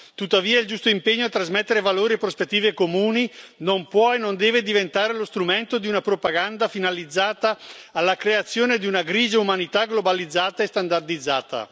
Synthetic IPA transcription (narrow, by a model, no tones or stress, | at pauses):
t̪ut̪ːaviːaild͡ʒust̪oimpeɲːoat̪ːɾazmet̪ːeɾevaloːɾiepːɾospet̪ːiːvekomuːninompwɔenːond̪ɛːved̪ivent̪aːɾelost̪ɾument̪od̪iunapɾopaɡand̪afinalid̪zːaːt̪aːlːakɾeat̪sːjoːned̪iunaɡɾiːd͡ʒeumanit̪aɡlobalid̪zːaːt̪aest̪and̪ard̪id̪zːaːt̪a̰